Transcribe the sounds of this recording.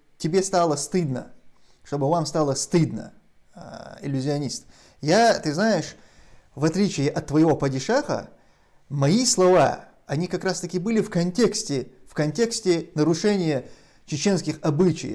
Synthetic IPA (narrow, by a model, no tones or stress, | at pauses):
tʲɪbʲe̞st̪alˠəst̪ɨd̪nə̰ | ʂt̪o̞bɨvamst̪alˠəst̪ɨd̪nə̰ | ɪ̰lʲːʊzʲɪɐnʲist̪ | jat̪ɨznajɪʂ | vɐt̪lʲit͡ɕɪjːʔɐt̪ːvəjɪvo̞pədʲɪʂaxə̰ | mɐislˠɐva̰ | ɐnʲikɐkɾast̪ɐkʲɪbɨlʲɪfkɐnʲtʲe̞ksʲtʲɪfkɐnʲtʲe̞ksʲtʲɪnəɾʊʂɛnʲɪjə | t͡ɕɪt͡ɕe̞nskʲɪxɐbɨt͡ɕɪ̰j